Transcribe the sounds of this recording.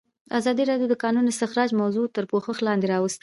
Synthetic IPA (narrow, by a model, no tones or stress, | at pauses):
azɑd̪iɾɑɖjod̪əkɑnunɪst̪ɪxɾɑd͡ʒmawzot̪əɾpoxəxlɑnd̪eɾɑwəst̪